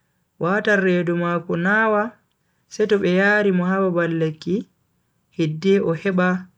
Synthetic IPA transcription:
waːtarːɛdɔmaːkɔnaːwa | sɛtɔɓɛjaːɾimɔɦawabalːekːi | hedːɛʔɔhɛɓa

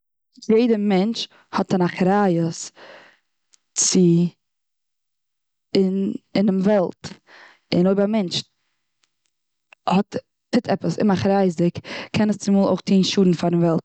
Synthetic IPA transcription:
jeɪdəmɛnt͡ʃ | hɔtanaχɾaːjəs | t͡sɪ | ɪnɪnɪmvɛlˠt | ɪ̰noɪbamɛnt͡ʃ | hɔt | tɪtʰɛpəsɪ̰maχɾaɪzɪkkʰɛnəst͡sɪmuːlˠo̰ɪχtʰiːnʃuːdn̩faɾɪmvɛlˠt

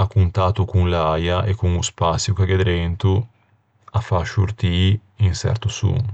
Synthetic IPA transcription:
akːunt̪at̪ukuŋlajaʔekːuŋuspasjukaɡed̪ɾɛnt̪u | afːaʃuɾt̪iinsɛ̰ɾt̪usṵŋ

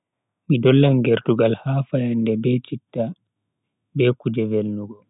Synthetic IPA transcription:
midɔlːaŋɡɛɾtuɡalhaːfajandɛbɛt͡ʃitːa | bɛkud͡ʒɛvelnuɡɔ

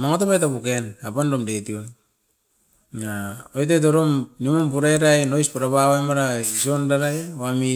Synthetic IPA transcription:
maŋotopajtapukenapandomdetion | naojtet̬oɾomnimompuɾaeɾajno̞jspaɾapawajmaɾaisondaɾajoami

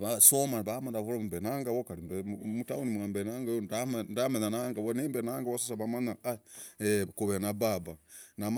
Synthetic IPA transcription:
βasomaβamandaβuɾoumbenaŋɡawokaɾibemutaunimuambenaŋɡajondamndamenanaŋɡawonimbenaŋɡawosusaβamanaaekuβenababanam

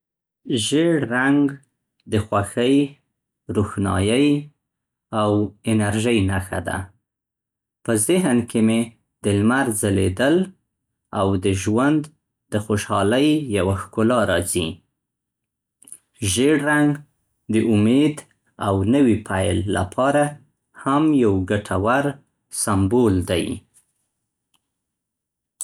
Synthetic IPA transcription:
ʒeɽɾaŋɡ | d̪əxwaxəj | ɾuxnɑ̰jəj | awɪnaɾʒəjnaxa̰d̪a̰ | pəzɪɦnkeme | d̪̥əlmaɾzəled̪əl | awd̪əʒwand̪ | d̪əxoʃɑləjːawaxkʊlɑɾɑzi | ʒeɽɾaŋɡ | d̪əʔʊmed̪ | awnəwipʰajlːa̰pʰɑɾa | hamjawɡaʈʰawaɾ | sambold̪a̰j

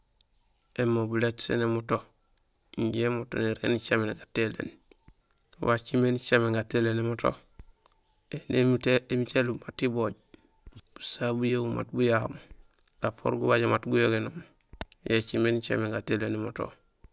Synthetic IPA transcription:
emːobuletsḛnemuto | iɲɟemuto̰niɾḛnit͡ʃamenɡatelḛːn | wat͡ʃimenit͡ʃameŋɡatelenemoto̰ | enemiteemit͡ʃelubatiboɟ | b̥u̥sabujewuma̰t̚bujaho̰m | ɡ̥apʰo̰ɾɡubaɟamatɡujoɡenom | jet͡ʃimeːnit͡ʃa̰meŋɡatelenemoto̰

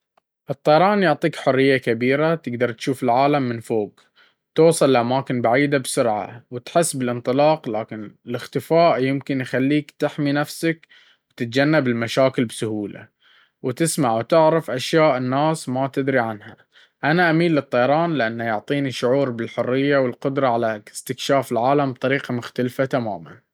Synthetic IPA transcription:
ʔɨt̪ˤːɑjɑɾˤɑːnjʊʕt̪ˤiːkħʊrːɪjːakabiːɾat̪ɪɡd̪ɑɾˤt̪ʃuːfɪlʕaːlamːɪnfoːɡ | t̪oːsˤɨlɪlʔamaːkɪnbaʕiːd̪absʊɾʕa̰wɪt̪ħɪsːbɪlʔɪnt̪ˤɨlɑːqlaːkɪnɪlɪxt̪ɪfaːʔjɪmkɪnjxalːiːkt̪ɪħminafsak | wt̪ɪt̪̚d͡ʒanːabɪlmaʃaːkɪlbsʊhuːla̰ | wt̪ɪsmaʕwt̪ɪʕɾɪfʔaʃjaːʔɪnːaːsmat̪ɪd̪ɾiʕanha | ʔanaʔamiːlːɨt̪ˤːɑjɑɾˤɑːnlɪʔanːajʊʕt̪ˤiːniʃːʊʕuːɾbɪlħʊrːɪjːawɪlqʊd̪ɾˤɑʕalast̪ɪkʃaːfɪlʕaːlamb̚t̪ˤɑɾiːqɑmʊxt̪alfat̪ama̰ːma̰n

